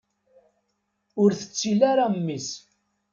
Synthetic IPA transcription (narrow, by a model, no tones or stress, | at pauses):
ʊɾθə̥t͡sːilaɾamːis